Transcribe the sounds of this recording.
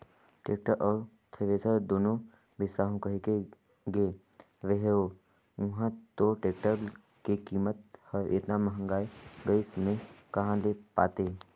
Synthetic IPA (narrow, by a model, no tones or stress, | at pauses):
ʈeːk̚ʈəɾʔɔːɾ | t̪ʰeʋeːsəd̪oːnõ | bɪsɾaːɦõkɐɦike | ɡe | ʋeɦeo | ʊɦãt̪oʈeːk̚ʈəɾ | kekiːmət̪həɾɪ̰t̪namɐɦə̃ŋɡaːeɡəismẽkɐɦãlepa̰ːt̪eː